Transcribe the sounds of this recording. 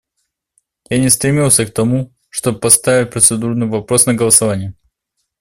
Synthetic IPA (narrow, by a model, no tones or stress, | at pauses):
janʲɪst̪ɾʲɪmʲilˠsʲək̚t̪ɐmu | ʂt̪obəpɐst̪avʲɪt̚ʲpɾət̪sɨd̪urnɨjvɐpɾo̞snəɡəlˠəsɐvanʲɪjʊ